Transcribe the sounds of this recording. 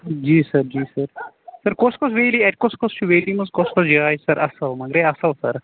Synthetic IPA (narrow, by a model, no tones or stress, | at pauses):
d͡ʒiːsɐɾd͡ʒiːsɐɾ | sɐɾkoskosʋeːliɛʈkoskost͡ʃʰuʋeːlimɐzkoskosd͡ʒaːjsɐɾʔɐsɐlmɐɡɾeɐsɐlsɐɾ